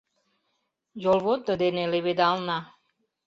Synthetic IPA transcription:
jolˠβot̪ːəd̪eneleβed̪ɑlˠnɑ

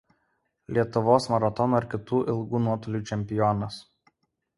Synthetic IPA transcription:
lʲiɛt̪ʊʋoːsmɐɾɐt̪ɔnuːɐɾʲkʲɪt̪uːʔɪlˠɡuːnuɔt̪ɔlʲuːt͡ʃʲɛmʲpʲɪjɔnɐs

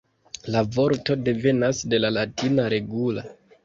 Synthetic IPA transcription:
lavo̞ɾto̞de̞ve̞nasde̞lalatʰinaɾe̞ɡula

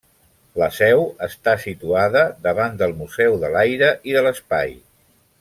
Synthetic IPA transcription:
ləsɛwəst̪asit̪uaðəd̪əβand̪əlˠmuzɛwðəlajɾəʔiðələspa̰j

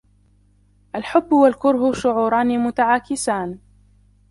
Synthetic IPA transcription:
ʔalħʊbːʊwalkʊɾhʊʃʊʕuːɾˤɑːnimʊt̪aʕaːkɪsaːn

